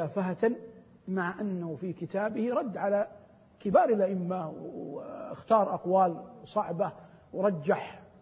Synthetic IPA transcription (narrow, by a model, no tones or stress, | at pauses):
aːfaɦat̪ | maʕʔanːahʊfikɪt̪aːbɪhiɾˤɑd̪ːʕala | kɪbɑːɾˤɪlʔaʔɪmːaw | ɪ̰xt̪ɑːɾˤʔɑqwaːlsˤɑʕbawɾˤɑd͡ʒːaħ